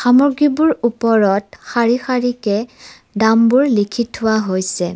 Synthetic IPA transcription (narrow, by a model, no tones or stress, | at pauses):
xamɔɹɡibuɹupɔɹɔtxaɹixaɹikɛ | dambuɹlikʰithʊwaɦojsɛ